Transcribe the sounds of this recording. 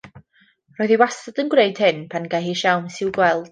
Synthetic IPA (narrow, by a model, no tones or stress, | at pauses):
rɔːɨðiwasadənɡwreɨd̥hɨnpʰanɡaɦiʃawmsɪwɡwɛlˠd̥